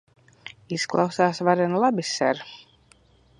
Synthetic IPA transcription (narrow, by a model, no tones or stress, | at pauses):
isklˠa̰wsaːsvaɾɛnlˠabʲisɛɾ